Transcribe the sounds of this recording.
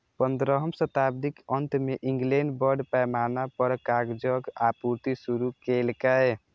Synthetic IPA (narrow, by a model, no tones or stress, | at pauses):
pənd̪ɾəɦəmsət̪abd̪ikənt̪meʔĩŋɡlenɖbəɾɖpɛjmanapəɾkaɡd͡ʒəɡapuɾt̪isuɾukelkɛj